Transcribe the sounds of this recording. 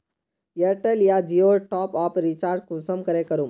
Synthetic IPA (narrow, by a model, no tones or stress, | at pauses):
jeɾʈeljad͡ʒioʈɔːpaːpɾit͡ʃaːɾɖ̚kũsəmkəɾekəɾu